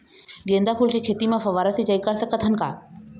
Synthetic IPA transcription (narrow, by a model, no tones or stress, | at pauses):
ɡẽːnd̪apʰuːlkʰikʰeːt̪imãfɐʋaːɾəsit͡ɕəikəɾsəkət̪ʰənɪ̆kʰa̰ː